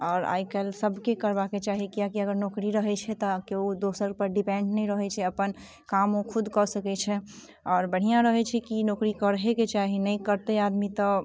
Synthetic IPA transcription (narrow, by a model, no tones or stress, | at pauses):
ɔːɾa̰ikɛlsəbʱkekəɾbaket͡ʃaɦikiakiəɡəɾnokɾiɾəɦɛt͡ʃʰɛt̪ɔkeud̪osəɾ̚pəɾɖipẽɳɖnɛĩɾəɦɛt͡ʃʰɛəpən | kamõkʰud̪ʱkɔsəkɛt͡ʃʰɛ | ɔːɾbəɽ̤ijãɾəɦɛt͡ʃʰɛkinokɾikəɾɦeket͡ʃaɦinəkəɾt̪ead̪mit̪ɔ